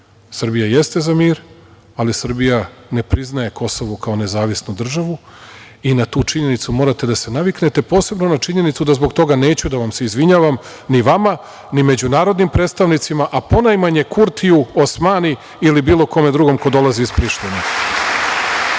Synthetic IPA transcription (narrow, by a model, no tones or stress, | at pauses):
sr̩bijaje̞st̪e̞zamiːɾ | alisr̩bijane̞pɾiznaje̞ko̞soʋokao̞ne̞zaːʋisnud̪r̩ʒaʋu | inat̪uːt͡ʂiɲe̞nit̪sumo̞ːɾat̪e̞d̪ase̞naʋikne̞t̪e̞po̞ːse̞bno̞nat͡ʃiɲe̞nit̪sud̪azbo̞ɡt̪o̞ɡane̞ːt͡ɕud̪aʋamse̞izʋiɲaːʋam | niʋama | nime̞d͡ʑunaːɾo̞d̪nimpɾe̞ːt̪st̪aʋnit̪simaʔapo̞najmaɲe̞kuɾt̪ʰijuosmaːni | ilibiːlˠo̞ko̞me̞d̪ɾuɡo̞mko̞d̪o̞lˠaziːspɾiʃt̪ine